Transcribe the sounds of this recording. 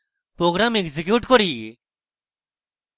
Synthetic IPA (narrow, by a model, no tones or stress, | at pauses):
pɾoːɡɾaːmekzɪkjuːʈkɔɾiː